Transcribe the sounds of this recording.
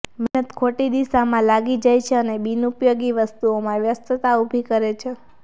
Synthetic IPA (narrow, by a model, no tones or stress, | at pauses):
mɛnət̪kʰoʈid̪isamãlaɡid͡ʒajt͡ʃʰeənebinupjoɡiʋəst̪uomãʋjəst̪ət̪aubʱikəɾet͡ʃʰe